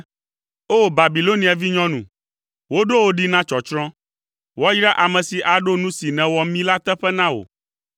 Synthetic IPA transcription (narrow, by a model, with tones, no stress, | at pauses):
o˦˨ba˨bi˨lo˦nĩ˨a˨vi˦ɲɔ̃˦nṵ̃˨ | wo˦ɖo˦wo˦ɖi˦nã˦t͡ʃɔ˨t͡ʃɾɔ̃˦ | wɔ˦ji˦ɖa˦ʔa˨mɛ̃˨si˨ʔa˨ɖo˦nũ˦si˨nɛ̃˨wɔ˦mĩ˦la˦t̪ɛ˦ɸɛ˦nã˦wo̰˨